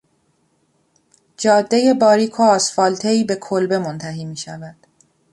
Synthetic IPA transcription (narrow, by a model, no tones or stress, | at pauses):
d͡ʒɒːd̪ːeje̞bɒːɾiːkʰoɒːsfɒːlt̪ʰeiːbe̞kʰolbe̞mont̪ʰæɦiːmiːʃævæd̪̥